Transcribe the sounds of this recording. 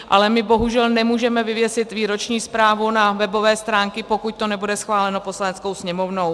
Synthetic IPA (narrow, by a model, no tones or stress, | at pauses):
ʔalɛmɪbo̞ɦuʒɛlnɛmuːʒɛmɛvɪvjɛsɪt̪viːɾo̞t͡ʃɲiːspɾaːvunavɛbo̞vɛːst̪ɾaːŋkɪpo̞kuc̚t̪o̞nɛbudɛsxvaːlɛno̞po̞slanɛt͡sko̞wsɲɛmo̞vno̞w